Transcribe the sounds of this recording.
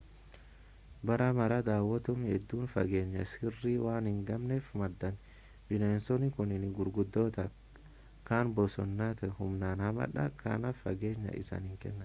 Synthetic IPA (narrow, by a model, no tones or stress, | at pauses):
bɐɾɐmɐɾɐd̪aːwːɐt̪ʊmhɛd̪ːuːnfɐ̰ɡe̞ːɲːɐsɪrːiwaːnhɪŋɡɐmneːfmɐd̪ːɐn | bɪneːnsɔnɪkʊnɪnɪɡʊɾɡʊd̪ːoːt̪ɐ | kaːnbɔsɔ̰nːaːt̪ɐhʊmnaːnhɐmɐ̰ᶑɐkʰɐ̰nɐfɐɡe̞ːɲːɐ̰ʔɪ̰sɐ̰nhɪŋkɛ̰nːɐn